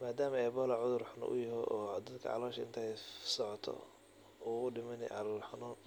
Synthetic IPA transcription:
maːd̪aːmɐɛbɔːlɐʕʊðʊrħʊnɔ̰ʔʊ̰jɐɦɔʔɔːd̪ɐd̪kʰɐ̰ʕɑ̰lɔːʃɐɪ̰nt̪ʰɛsɔʕɔt̪ʰɔ̰ | uʊɖɪmɐnɪ̰ʕɑlɔlħʊnɔːn

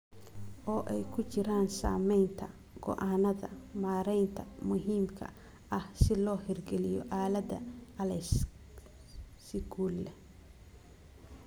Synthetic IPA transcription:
ʔɔːʔɛjkʰʊt͡ʃɪɾaːnsa̰ːmɛjnt̪ʰɐ | ɡ̥ɔ̰ʔanɐðɐmaːɾɛjnt̪ʰɐmʊɦiːmkʰɐ̰ | ʔɐhsɪlɔːhɛrɡɛlɪjɔ̰ʔaːlɐd̪ɐ̰ɐlɛs | sɪɡuːlːɛ

